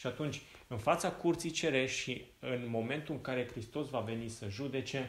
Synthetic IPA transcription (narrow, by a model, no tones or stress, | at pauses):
ʃiat̪unt͡ʃʲ | ɨnfat̪sakurt̪sit͡ʃe̞ɾe̞ʃʃiɨnmo̞me̞nt̪uɨŋkaɾe̞kɾist̪o̞svave̞nisəʒud̪e̞t͡ʃe̞